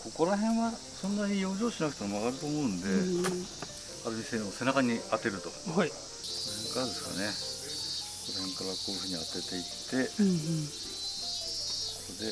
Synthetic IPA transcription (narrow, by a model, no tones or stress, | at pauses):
ko̞ko̞ɾaɦẽ̞ɰ̃βa | sõ̞nːaɲijo̞ːʑo̞ːɕinakɯ̟̥t̪oomaɣaɾɯ̟t̪oːmo̞ɯ̟̃nd̪e̞ | aɾɯ̟mʲisẽose̞nakaɲ̟iat̪e̞ɾɯ̟t̪o̞i | konohẽ̞ŋkaɾad̪e̞sɨ̥ka̰ne̞ | koɾohẽ̞ŋkaɾakoːjɯ̟ɸɯ̟ːɲ̟iat̪e̞t̪e̞it̪ʰːe̞ | okkod̪e̞